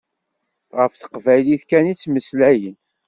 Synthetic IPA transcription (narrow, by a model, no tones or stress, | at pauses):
ʁəfθə̥qvæjliθkænit͡sːməslæjən